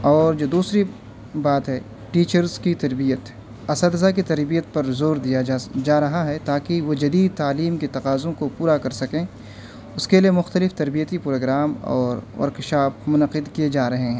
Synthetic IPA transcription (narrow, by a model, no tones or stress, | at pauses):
ɔːɾd͡ʒoːd̪uːsɾi | baːt̪ɦɛ | ʈiːt͡ʃəɾzkit̪ɐɾbijət̪ | ɐsəd̪ɐzak̬it̪ɐɾbijət̪̚pɐɾzoːɾd̪ijad͡ʒaːɾɐɦaɦɛt̪aːkiʋod͡ʒɐd̪iːd̪̚t̪aːliːmket̪ɐqaːzõkopuːɾakɐɾsɐkẽː | ʊskelijemʊxt̪əlɪft̪ɐɾbijət̪ipɾoːɡɾaːmɔ̰ːɾʋɐ̰ɾkɪʃaːfmʊnɐqɪd̪kijed͡ʒaːɾɐɦeɦɛ̃ː